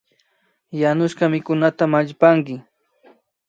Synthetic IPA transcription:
janʊʃɢɑmɪkʊnat̪amaʎpaŋkɪ

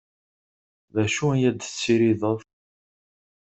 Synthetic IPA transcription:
ðæʃuæjæd̪t͡sːiɾiðəðˤ

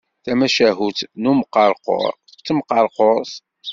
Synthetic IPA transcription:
θæmæʃæɦuθnuməqːɑɾˤqo̰ɾˤ | t͡sːəmqɑɾˤqoɾs

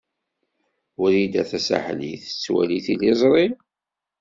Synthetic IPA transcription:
ʊɾid̪æθæsa̰ħliθə̥t͡sːwæ̰liθilizˤɾˤi

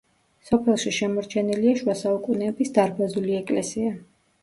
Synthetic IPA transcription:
sɔpʰɛlˠʃiʃɛmɔɾt͡ʃʰɛniliaʃwasaukʼunɛːbisd̪aɾbazuliɛkʼlɛsia

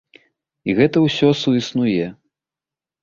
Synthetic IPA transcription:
iɣɛt̪ɐwsʲɔsuisnujɛ

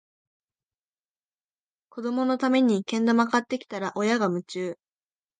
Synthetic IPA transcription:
ko̞d̪o̞mo̞no̞t̪ame̞ɲ̟ikẽ̞nd̪o̞makat̪ːe̞kʲi̥t̪aɾaʔo̞jaɡamɯ̟t͡ɕɨː

